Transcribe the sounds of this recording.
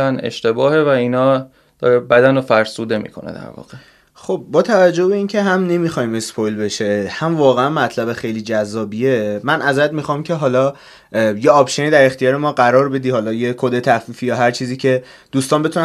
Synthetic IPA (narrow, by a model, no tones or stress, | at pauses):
ænḛʃt̪e̞bɒːhevæiːnɒː | d̪̥ɒːɾebæd̪ænofæɾsuːd̪e̞mḭːkʰo̞̰nḛd̪æ̰ɾvɒ̰ːɣe | χo̞b̚ːɒːt̪ʰævæd͡ʒːo̞hbe̞iːncʰe̞ɦæmne̞mixɒːjimespʰojlbe̞ʃehæmvɒːɣeænmæt̪ʰlæbexe̞jliːd͡ʒæzːɒːbiemænʔæzæd̪mixɒmcʰe̞ɦɒːlɒː | jeɒːpʃeniːd̪æɾe̞xt̪ijɒːɾe̞mɒːɢæɾɒːɾbe̞d̪iːhɒːlɒːjekʰod̪e̞t̪ʰæfiːfijɒːɦæɾt͡ʃʰiːziːcʰe̞ | d̪̥uːst̪ɒːnbe̞t̪ʰunæ